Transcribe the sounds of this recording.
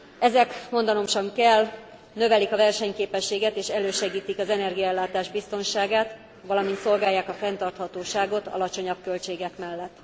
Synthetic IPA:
ɛzɛkmo̞nd̪ɒno̞mʃɒŋkɛl | nøvɛlikɒvɛrʃɛɲkeːpɛʃːeːɡɛt̪eːʃɛløːʃɛɡiːt̪ikɒzɛnɛrɡijɒɛlːaːt̪aːʒbist̪o̞nʃaːɡaːt̪ | ʋɒlɒmint̪so̞lɡaːjːaːkɒfɛnt̪ɒrt̪hɒt̪oːʃaːɡo̞t̪ɒ̰lɒt͡ʃo̞ɲɒb̚kø̞lt͡ʃeːɡɛkmɛlːɛt̪ː

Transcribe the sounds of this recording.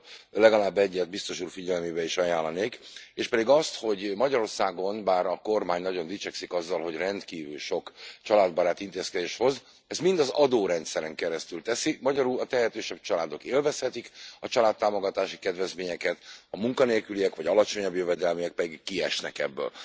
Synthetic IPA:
lɛɡɒlaːbːɛɟːɛd̪̚bist̪o̞ʃuːrfiɟɛlmeːbɛiʃɒjaːlːɒneːkeːʃpɛd̪iɡɒst̪ho̞ɟmɒɟɒɾo̞rsaːɡo̞nbaːɾɒko̞rmaːɲnɒɟo̞nd̪it͡ʃɛksikɒzːɒlɦo̞ɟrɛnt̪kiːvylʃo̞kt͡ʃɒlaːd̪̚bɒɾaːt̪int̪eːskɛd̪eːʃho̞z | ɛzmind̪ɒzɒd̪oːɾɛnt̪sɛɾɛŋkɛɾɛst̪ylt̪ɛsimɒɟɒɾuːɒt̪ɛɦɛt̪øːʃɛb̚t͡ʃɒlaːd̪o̞keːlvɛshɛt̪ikɒt͡ʃɒlaːt̪ːaːmo̞ɡɒt̪aːʃi̥kɛd̪vɛzmeːɲɛkɛt̪ɒmuŋkɒneːlkyliɛkʋɒɟɒlɒt͡ʃo̞ɲɒbjøvɛd̪ɛlmijɛk̚pɛd̪iɡkːiɛ̰ʃnɛ̰kɛ̰bːø̰l

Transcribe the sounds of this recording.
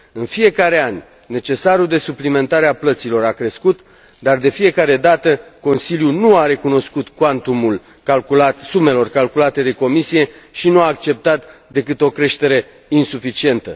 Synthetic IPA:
ɨnfije̞kaɾe̞anʲ | ne̞t͡ʃe̞saɾuld̪e̞suplime̞nt̪aɾeaplət̪silo̞ɾakɾe̞skut̪ | d̪ard̪e̞fije̞kaɾe̞d̪at̪əko̞nsiljunuaɾe̞kuno̞skut̪kwant̪umul | kalkulat̪sume̞lo̞rkalkulat̪e̞d̪e̞ko̞misije̞ʃinuaːk̚t͡ʃe̞p̚t̪at̪d̪e̞kɨt̪o̞kɾe̞ʃt̪e̞ɾe̞ | insufit͡ʃie̞nt̪ə

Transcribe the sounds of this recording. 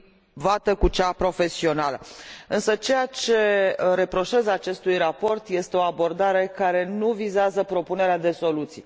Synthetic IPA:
vat̪əkut͡ʃapɾo̞fe̞sio̞naləɨnsət͡ʃe̞jat͡ʃe̞ɾe̞pɾo̞ʃe̞zat͡ʃe̞st̪ujrapo̞rt̪je̞st̪e̞o̞abo̞rd̪aɾe̞kaɾe̞nuvizeazəpɾo̞pune̞ɾead̪e̞so̞lut̪sḭ

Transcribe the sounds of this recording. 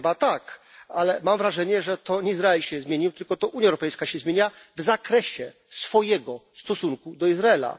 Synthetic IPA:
bat̪akalɛmamvɾaʐɛɲɛʐɛt̪ɔɲɛizɾaɛlɕɛzmʲjeɲiwt̪ɘlkɔt̪ɔʔuɲjaɛwɾɔpɛjskaɕɛzmʲeɲavzakɾɛɕɛ | sfɔjɛɡɔst̪ɔsuŋkud̪ɔizɾaɛla̰

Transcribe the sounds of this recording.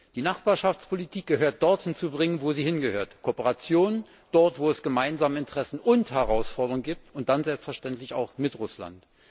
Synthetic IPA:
d̥iːnaχb̥aːɐʃaft͡spʰolitʰiːk̚ɡ̥əɦøːɐt̚d̥ɔɐthɪnt͡subʁɪŋənvoːziːhɪnɡəhøːɐtkʰoːpəʁat͡sjoːnən | d̥ɔɐtv̥oːɛsɡ̥əmaɪnzaːməɪntəʁ̥ɛsn̩ʊnthɛʁaʊsfɔɐdəʁʊŋɡiːp̚tʊnt̚d̥anzɛlpstfɛɐʃtɛntlɪça̰ʊxmɪtʁʊsla̰nt

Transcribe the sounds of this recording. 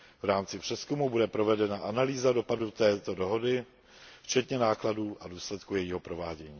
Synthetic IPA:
vɾaːmt͡sɪpr̝̥ɛskumubudɛpɾo̞vɛdɛnaʔanaliːzado̞padut̪ɛːt̪o̞do̞ɦo̞dɪ | ft͡ʃɛt̪ɲɛnaːkladuːʔaduːslɛt̪kujɛjiːɦo̞pɾo̞vaːɟɛɲiː

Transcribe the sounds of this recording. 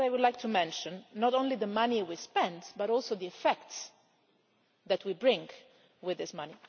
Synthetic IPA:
ɾajwʊdlajk̚tʰumɛ̃nʃə̃nːɔɾõnliðəmaniwispɛ̃ndbaɾɔlˠsoʊðiɛfɛkts | ðæt̚ʰwibɹɪ̃ŋ | wɪðɪsmʌni

